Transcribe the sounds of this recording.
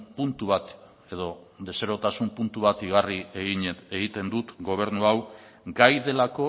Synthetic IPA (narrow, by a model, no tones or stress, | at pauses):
punt̪uβat̪ | e̞ðo̞ | d̪e̞se̞ɾo̞t̪asumpunt̪uβat̪iɣ̞arie̞ɣiɲeteɣit̪e̞nd̪ut̪ɡo̞β̞e̞ɾnuaw | ɡajðe̞lako̞